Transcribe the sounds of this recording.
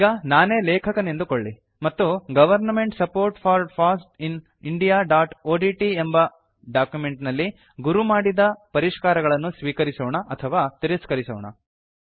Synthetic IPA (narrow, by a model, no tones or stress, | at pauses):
iɡɐnaːneːlɛːkʰɐkɐnend̪ukoɭːi | mɐt̪ːuɡɐʋɐɾnɐme̞ɳʈsɐpoːɾʈpʰaːɾpʰaːsʈin | iɳɖijaːɖaːʈoːɖiːʈiembɐ | ɖaːkjume̞ɳʈnɐlːi | ɡuɾumaːɽid̪ɐpɐɾiʂkaːɾɐɡɐɭɐnːusʋiːkɐɾisɔːɳɐʔɐt̪ʰɐʋaːt̪iɾiskɐɾisɔːɳɐ̰